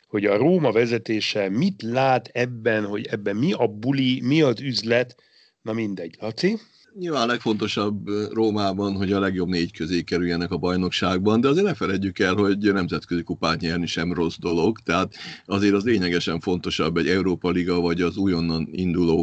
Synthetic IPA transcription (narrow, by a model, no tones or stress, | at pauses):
ho̞ɟɒroːmɒvɛzɛt̪eːʃɛmit̪laːt̪ɛbːɛnho̞ɟɛbːɛmmiɒbulimiɒzyzlɛt̪ | nɒmind̪ɛɟlɒt̪si | ɲilvaːnɒlɛkfo̞n̪t̪o̞ʃɒbroːmaːbɒnɦo̞ɟɒlɛɡjo̞bneːɟkøzeːkɛɾyjɛnɛkɒbɒjno̞kʃaːɡ̚bɒnd̪ɛɒzeːrnɛfɛɾɛɟːykɛlho̞ɟnɛmzɛt̪køzikupaːt̪ɲɛrniʃɛmro̞zd̪o̞lo̞ɡt̪ɛɦat̪ɒzeːɾɒzleːɲɛɡɛʃɛɱfo̞nt̪o̞ʃɒbːɛɟɛuɾoːpɒliɡɒvɒɟɒzuːjo̞nːɒnind̪uloː